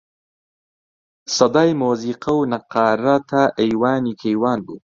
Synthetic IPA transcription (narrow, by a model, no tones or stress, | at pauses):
sɐd̪aːjmoːziːqɐwnɐqaːɾat̪ʰaʔejwaːnikʰejwaːnbu